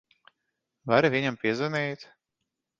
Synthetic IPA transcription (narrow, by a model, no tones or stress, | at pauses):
vaɾivʲiɲampʲiɛzɛnɛjt̪